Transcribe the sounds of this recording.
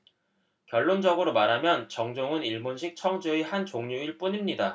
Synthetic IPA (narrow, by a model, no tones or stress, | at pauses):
kjʌɭːond͡ʑʌɡɯɾomaɾɦamjʌnt͡ɕʌŋd͡ʑoŋɯniɭbonɕʰik̚t͡ɕʰʌŋd͡ʑoehant͡ɕoŋɲuiɭp͈uɲimɲida